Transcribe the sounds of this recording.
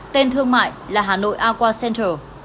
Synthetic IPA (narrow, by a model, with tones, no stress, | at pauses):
t̪e˧nt̪ʰɨ˧əŋma̰ː˧˨jlaː˨˩ɦaː˨˩no̰˧˨jʔaː˧kwaː˧sɛ˧ntəː˨˩